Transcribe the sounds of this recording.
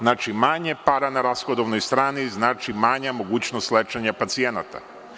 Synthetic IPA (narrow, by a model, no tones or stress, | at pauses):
naːt͡ʃimaɲepaɾanaɾasxod̪oʋnojst̪ɾaːniznaːt͡ʃimaɲamo̞ɡuːt͡ɕnost̪let͡ʃaɲapat̪sienat̪a̰